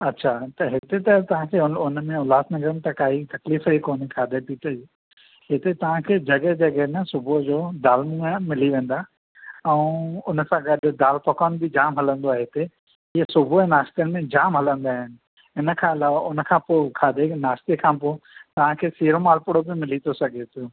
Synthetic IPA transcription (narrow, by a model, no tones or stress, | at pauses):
ɐtːɕʰat̪ɐɦɪt̪et̪ɐt̪ɐʋ̤ãkʰeːʊnʊnmẽʊlaːsnɐɡəɾənt̪ɐkaːɦit̪ɐkliːfikoːnikʰaːd̪ʱepiːt̪əd͡ʑi | ɦɪt̪et̪ɐʋ̤ãkʰeːd͡ʑɐɡɛd͡ʑɐɡɛnɐsʊbʱod͡ʑoːd̪aːlmũəmɪliʋẽːn̆d̪a | ɛ̃ːʊnəsãɡɐɗʊ̆d̪aːlpɐkɔːnbɪd͡ʑaːmɦɐlə̃nd̪oaːɦeɪt̪e | iːɦəsʊbʱoẽnaːʃt̪ijənɪmẽd͡ʑaːmɦɐlə̃nd̪aːɦɪnɪ̆ | ɦɪnəkʰãɪlaːʋaʔʊnkʰãpoːkʰaːd̪ʱenaːʃt̪ekʰãːpoːt̪ɐʋ̤ãkʰeːsiːɾomaːlpʊɽobɪmɪlit̪ʰosɐɡʱet̪ʰioː